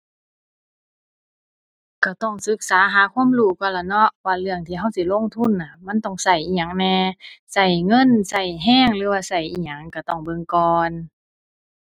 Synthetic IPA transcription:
ka˧˩t̪ɔ˧˩ŋsɯ˧˦˥k̚saː˨˦ɦaː˨˦kʰu˧˥˨mluː˧˩kɔː˧˩˨la˧˩nɔ˧˥ʔwaː˧˩lɯ˧˨əŋt̪ʰiː˧˩ɦa˧˩˨wsi˧˦˨lo˧˥˨ŋt̪ʰu˧˥˨nːa˧˩ma˧˥˨nt̪ɔ˧˩ŋsa˧˩jʔiː˧˨˩ɲa˨˩ŋnɛː˧sa˧˩jŋɤ˧˥˨nsa˧˩jɦɛː˧˥˨ŋlɯː˨˦waː˧sa˧˩jʔiː˨˧˩ɲa˨˩˨ŋka˧˩t̪ɔ˧˩ŋbɤ˧˨ŋkɔː˧n

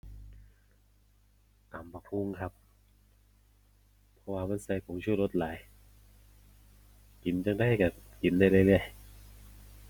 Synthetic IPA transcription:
ʔaː˨˦mbaː˨˩pʰu˧˥˨ŋkʰa˧˥p̚ | ɔ˧waː˧ma˧˥˨nsa˧˩jkʰɔ˨˦ŋt͡ɕʰu˧˩t̪̚lo˧˥t̪̚laː˨˦j | ki˨˩˦nt͡ɕa˧˩ŋda˧˨jkaː˧˩ki˨˩˦ndaː˧˩jlɯ˧˩jlɯ˧˩əj

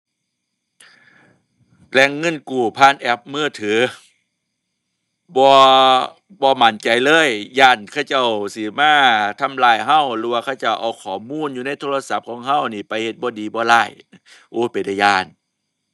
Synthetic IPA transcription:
lɛ˧˩ŋːɤ˧˥˨nkuː˨˩pʰaː˧˥˨nʔɛ˧˩p̚mɯː˧˥˨t̪ʰɯː˨˦ | bɔː˧˦ | bɔː˧˦ma˨˦nt͡ɕa˨jlɤː˧˥˨jjaː˧˩nkʰa˧˩t͡ɕa˧˩˨wsi˨˧˦maː˧˩˨t̪ʰa˧˥˨mlaː˧˩jɦa˧˥˨wɾɯː˧wa˧kʰa˧wt͡ɕa˧˩wʔa̰˨˧˩wkʰɔː˨˦muː˧˥˨njuː˧na˧˥˨jt̪ʰoː˧la˧sa˧˦p̚kʰɔː˨˦ŋɦa˧˥˩wniː˧˩pa˨jhe˧t̪̚bɔː˧˦diː˨bɔː˧˦laː˧˩j | ʔoː˧˩pa˨jda˧˩jaː˧˩n

